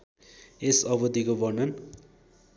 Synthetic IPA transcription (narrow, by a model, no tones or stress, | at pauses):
esʌbʌd̪ikobʌnʌn